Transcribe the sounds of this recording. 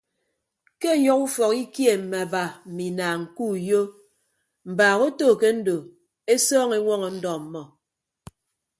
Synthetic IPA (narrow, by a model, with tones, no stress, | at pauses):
ke˦˨jɔ˦ku˦fɔ˨ki˦kje˦˨m̩˨mɛ˨ba˨m̩˨mi˨naː˨ŋ̩˨ku˦˨jo˦ | m̩˨baː˨ɣo˦toː˦˨ke˦n̩˦do˨ | e˦sɔː˦ŋe˦ŋʷɔ˦ŋɔ˨n̩˦dɔ˨m̩˨mɔ˨